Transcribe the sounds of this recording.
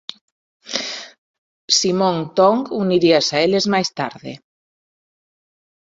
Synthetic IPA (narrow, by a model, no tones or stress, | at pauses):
simõŋt̪ɔŋɡuniɾiasaelezmajst̪a̰ɾðɪ̰